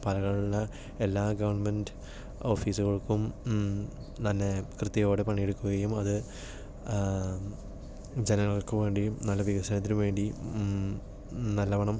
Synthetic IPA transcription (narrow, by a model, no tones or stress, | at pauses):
pɐlɐɣɐɭuɭːɐ | e̞lːaːɡɐʋɐrnɐmendɨ | o̞ːfiːsuɣɐɭkːum | t̪ɐnːe̞krɨt̪ːjɐjoːɽepɐɳːijeɽukːuɣɐjumɐðɨ | d͡ʑenɐŋːɐɭokːɨʋe̞ːɳɖinɐlːɐʋiɣɐsɐnɐt̪ːinumʋe̞ːɳɖi | nɐlːɐʋɐɳɐm